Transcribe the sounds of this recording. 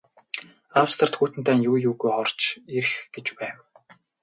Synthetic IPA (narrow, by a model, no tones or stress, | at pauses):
awst̪ʰərt̪xuːt̪ɘ̆nt̪æːnjuːjuːɣujχɔrt͡ɕeɾ̆xɡ̥et͡ɕpæːw